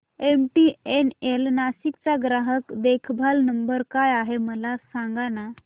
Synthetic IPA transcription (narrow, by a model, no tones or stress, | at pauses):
emʈienelnaɕikt͡saɡɾaɦəkd̪ekʰbʱalnəmbəɾkajaɦeməlasaŋɡana